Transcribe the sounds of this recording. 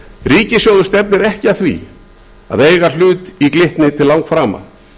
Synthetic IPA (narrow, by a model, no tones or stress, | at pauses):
riːcɪsjowðʏɾst̪ɛpnɪɾɛhcɪaθvḭ | a̰ðeːjɣal̥ʏːt̪iklɪht̪nɪt̪ʰɪllawŋkfɾaːma̰